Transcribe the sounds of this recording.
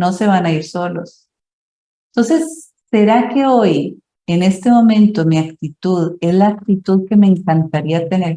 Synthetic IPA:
no̞se̞βanaiɾso̞lo̞s | t̪o̞nse̞sː | e̞ɾake̞o̞j | ene̞st̪e̞mõ̞mẽ̞nt̪o̞miakt̪it̪uðe̞zlaːk̚t̪it̪uðke̞me̞ːŋkant̪aɾiat̪e̞ne̞ɾ

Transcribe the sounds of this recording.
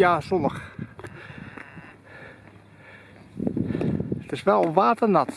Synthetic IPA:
jaːsɔnəx | tɪsʋɛlˠɔʋaːtənɑt

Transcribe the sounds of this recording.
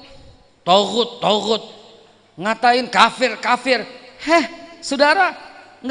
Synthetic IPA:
t̪oɣʊt̪ːoɣʊt̪̚ | ŋat̪aɪnkafɪrkafɪrhɛhsudaɾa | ŋ

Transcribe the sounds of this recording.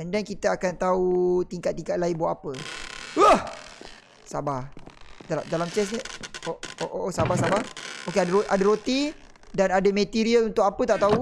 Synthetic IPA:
ɛndɛnkit̪əakant̪aut̪iŋkat̪̚ːiŋkat̪̚lainbuaʔapəəh | sabahdaladalamt͡ʃɛs̬niooʔoʔosabahsabahokeadʔadaɾot̪idanadamə̃t̪iɾiəlunt̪ʊk̚apət̪aʔt̪au

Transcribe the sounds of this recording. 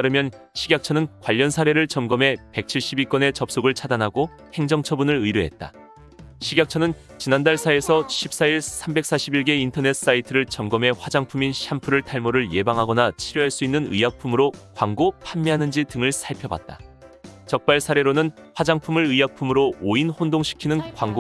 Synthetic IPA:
aɾɯmjʌn | ɕʰiɡjak̚t͡ɕʰʌnɯnkwaʎːʌnsʰaɾe̞ɾɯɭt͡ɕʌmɡʌmɦe̞pe̞k̚t͡ɕʰiɭɕ͈ʰibik͈ʌne̞t͡ɕʌp̚s͈oɡɯɭt͡ɕʰadanɦaɡo | he̞ŋd͡ʑʌŋt͡ɕʰʌbunɯɭɯiɾuɦe̞t̚t͈a̰ | ɕʰiɡjak̚t͡ɕʰʌnɯn | t͡ɕinandaɭsʰae̞sʰʌɕʰip̚s͈aiɭsʰambe̞k̚s͈aɕʰibiɭɡe̞intʰʌne̞t̚s͈aitʰɯɾɯɭt͡ɕʌmɡʌme̞ɸwad͡ʑaŋpʰuminɕʰampʰuɾɯɭtʰaɭmoɾɯɭje̞baŋɦaɡʌnat͡ɕʰiɾjuɦaɭs͈uinːɯnɯ̰ijapʰumɯɾokwaŋɡopʰamːiɦanɯnd͡ʑitɯŋɯɭsʰaɭpʰjʌba̰t̚t͈a̰ | t͡ɕʌk̚p͈aɭsʰaɾe̞ɾonɯn | ɸwad͡ʑaŋpʰumɯɾɯijapʰumɯɾooinhondoŋɕʰi̥kʰinɯnkwaŋɡo

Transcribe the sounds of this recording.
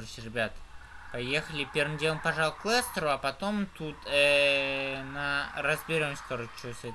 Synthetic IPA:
rɕɪɾʲɪbʲat̪pɐjexəlʲɪpʲervɨmdʲelˠəmpɐʐalˠklˠest̪ɾʊɐpɐt̪o̞mt̪ut̪ɛ | nərəzbʲɪɾʲo̞msʲk̪oɾət͡ɕːust̪

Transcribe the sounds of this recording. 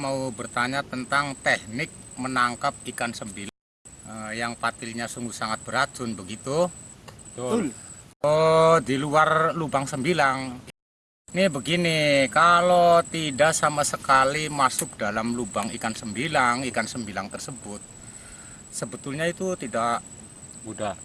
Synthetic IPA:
maubərt̪aɲat̪ənt̪aŋt̪ɛhnɪk̚mənaŋkap̚ikansəmbilaŋ | əjaŋpat̪ɪlɲasuŋɡusaŋat̪̚b̥əɾad͡ʒʊnbəɡit̪u | odiluarlubaŋsəmbilaŋ | nibəɡinikalot̪idaʔsamasəkalimasʊk̚dalamlubaŋikansəmbilaŋikansəmbilaŋt̪ərsəbʊt̪̚ | səbət̪ʊlɲait̪ut̪idaʔ | muda

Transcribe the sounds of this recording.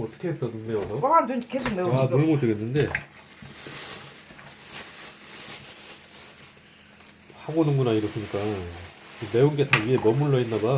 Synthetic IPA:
ʌt͈ʌ̥kʰeːs͈ʌnɯndeʌsʰʌdukʰesomeanomot͈ɯɡenːɯnde̞ | habonɯnɡunaiɾʌs͈ɯɲik͈a | ɯme̞unɡe̞taɡiemʌmuɭːʌinːaɡa

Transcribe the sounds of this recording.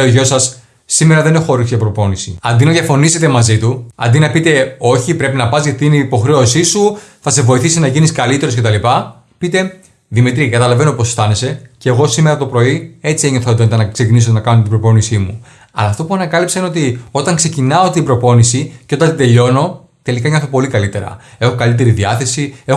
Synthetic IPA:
oʝo̞sɐsː | ime̞ɾɐðe̞nexo̞ɾisjɐpɾo̞po̞nisiɐnd̪inɐðjɐfo̞niset̪e̞mɐzit̪uɐ̰nd̪inɐpit̪e̞o̞çipɾe̞pinɐpɐzʝɐt̪inepo̞xɾe̞osisuθɐse̞vo̞iθisinɐʝiniskɐlit̪e̞ɾo̞scet̪ɐlipɐ | pit̪e̞ | ðimit̪ɾiɐkɐt̪ɐlɐveno̞po̞sθɐne̞se̞ceɣo̞sime̞ɾɐt̪o̞pɾo̞ie̞t͡sieɲo̞θot̪ent̪enɐksecinisonɐkɐnot̪ibɾo̞po̞nisimu | ɐlɐːft̪o̞puɐnɐkɐlipsɐineot̪io̞t̪ɐŋkse̞cinɐo̞t̪ibɾo̞po̞nisiceo̞t̪ɐnt̪id̪e̞ʎo̞no̞ | t̪e̞likɐeɲɐθopo̞likɐlit̪e̞ɾɐ̰e̞xokɐlit̪̬e̞ɾiðiɐθe̞siex

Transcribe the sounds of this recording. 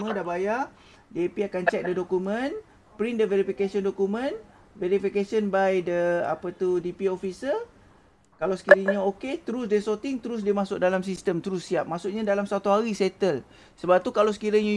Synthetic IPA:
ə̃dabaja | diapiakant͡ʃɛk̚dədokumə̃n | pɾindəveɾifikasɔndokumə̃n | veɾifikesənbajdəa̰pət̪udipiofisə | kalawsə̥kiɾiɲaoket̪əɾusdesot̪ɪŋt̪əɾʊs̬dimasʊk̚dalams̬ist̪əmt̪əɾʊsːiap̚masuʔ̚ɲadalamsat̪uɦaɾisɛt̪əl | səbap̚t̪ukalaws̬ə̥kiɾaɲa

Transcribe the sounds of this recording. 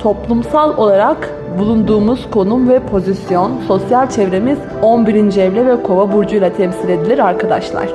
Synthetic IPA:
t̪ʰo̞plˠumsalˠo̞lˠaɾak | bulˠund̪uːmuz̥kʰo̞numvɛpʰo̞zisjo̞nso̞sjalʲt͡ʃʰɛvɾe̞miz | o̞nbiɾind͡ʒɛvlʲɛvɛkʰo̞vabuɾd͡ʒujlˠat̪ʰɛmsilʲe̞d̪ilʲiɾaɾkʰad̪a̰ʃlˠa̰ɾ̝̥

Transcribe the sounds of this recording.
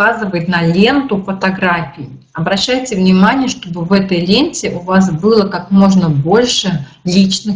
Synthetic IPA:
azɨvəjɪt̪nɐlʲe̞nt̪ʊfət̪ɐɡɾafʲɪː | ɐbɾɐɕːæjtʲɪvnʲɪmanʲɪjəʂt̪o̞bɨvɛt̪əjlʲenʲtʲɪʔʊvasbɨlˠəkakmo̞ʐnəbo̞lʲʂɨ | lʲit͡ɕnɨ

